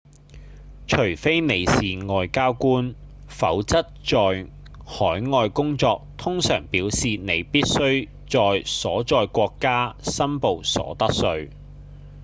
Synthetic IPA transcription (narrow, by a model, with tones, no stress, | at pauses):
t͡ʃʰɵ˨˩ɥfe˥jne˨˧jsiː˨˩ŋɔː˨jkaː˥wkuː˥n | fɐ˨˥wt͡sɐ˥t̚t͡ʃɔː˨j | hɔː˨˥jŋɔː˧jkʊ˥ŋt͡sɔː˧k̚t̪ʰʊ˥ŋsœː˨˩ŋpiː˨˥wsiː˨ne˨˧jpiː˥t̚sɵ˥ɥ | t͡sɔː˨jsɔː˨˥t͡sɔː˧jkʷɔː˧kːaː˥sɐ˥mpo˨˧wsɔ̰ː˨˥t̪ɐ˥k̚sɵ˧ɥ